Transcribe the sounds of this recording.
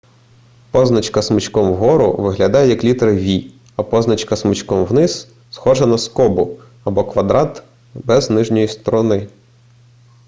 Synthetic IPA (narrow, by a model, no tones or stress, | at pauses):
pɔznɐt͡ʃkɐsmɪt͡ʃkɔmwɦɔɾʊ̰ʋɪɦlʲɐd̪ɑjɛjɐklʲit̪ɾɐʋʲi | ɐpɔznɐt͡ʃkɐsmɪt͡ʃkɔmwnɪz | sxɔʒɐnɐskɔbʊ | ɐbɔkʋɐd̪ɾɑt̪ | bɛznɪʒnʲɔjist̪ɔɾɔnɪ